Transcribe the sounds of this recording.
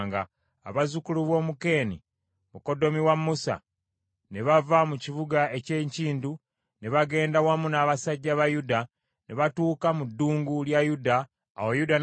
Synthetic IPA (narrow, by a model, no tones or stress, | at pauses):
ŋɡa | a̰βazukuluβo̞ːmuke̞ːnḭ | muko̞do̞miwamːusa̰ | ne̞βavamuciβuɡaʔe̞ceɲciːndu | ne̞βaɡe̞ːndawamunaːβasaɟːaβajuda | neβatuːkamudːuːŋɡuljajuda̰ː | wojudan